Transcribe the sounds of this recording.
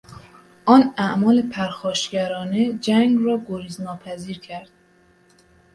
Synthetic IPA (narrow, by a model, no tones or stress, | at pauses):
ʔɒːnæʔmɒːlepʰæɾxɒːʃɡæɾɒːned͡ʒæŋɡrɒːɡoɾiznɒːpʰæziːɾcʰæɾd̪̥̚